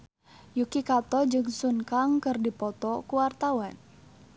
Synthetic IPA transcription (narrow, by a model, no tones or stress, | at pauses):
jukikat̪ɔd͡ʒɨŋsunkaŋkɨrdipɔt̪ɔkuwart̪awan